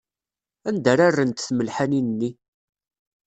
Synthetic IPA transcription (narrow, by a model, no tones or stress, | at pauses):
ænd̪æɾarːənt̪θməlħaninənːi